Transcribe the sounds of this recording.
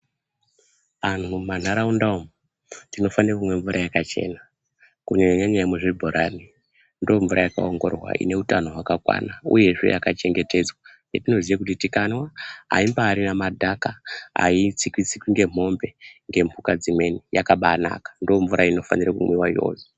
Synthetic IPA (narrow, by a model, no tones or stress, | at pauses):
ʋan̤uman̤aɾaundaom | tino̞fanirakumwe̞ɱvuɾʔajakat͡ʃe̞̰ːna | kuɲeaɲaɲajameʐibʱoɾʔani | ndooɱvuɾajaka̰oŋɡo̞̰rwa̰ḭne̞utano̞ɦwakakwa̰naṵje̞ʐḛjakat͡ʃe̞ŋɡe̞te̞d͡zwa | etino̞ziekutitikanwaɦa̰imbaːɾinamadʱakaa̰it͡sikwit͡sikwiŋɡe̞m̤o̞mbe̞ŋɡe̞mpukad͡zimwe̞nijakaɓana̰kḁndooɱvuɾʔaino̞fa̰nirakumwiwaijo̰ːzo